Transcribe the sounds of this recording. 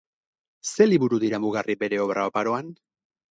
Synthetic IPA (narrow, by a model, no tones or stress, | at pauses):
se̞liβuɾuðiɾamuɣarʔibe̞ɾe̞o̞βɾʔaopaɾo̞an